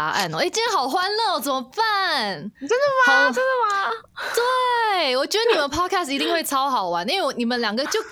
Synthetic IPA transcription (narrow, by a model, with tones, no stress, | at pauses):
ʔa̰˥˩no˨˩ʔe˥˩t͡ɕi˥˩ɻə˥˩ɑ˨˩ʊxwa˥nlɤ˥˩wt͡sə˨˩mə˦fa˥˨˩nʈ͡ʂə˥nd̪ə˨˩ma˨˩ə˥nd̪ə˨˩ma˨˩ | t̪we˥˩ɪwɔ˨˩t͡ɕɥɛ˧˥d̪ə˧ni˨˩mə˧˦npʰɑ˥˩kʰæ˥˩si˧˥t̪i˥˧ŋxwe˥˩ɪt͡sʰɑ˥ʊxɑ˨˩ʊwa˧˦n˥we˥˩wɔ˧˩ni˨˩mə˦nljɑ˨˩ŋɡə˧t͡ɕjo˥˧ʊ